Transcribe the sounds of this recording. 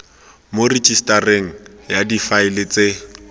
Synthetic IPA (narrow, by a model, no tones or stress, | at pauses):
mored͡ʒʼistʼareŋ̩jadifaɪlɪt͡se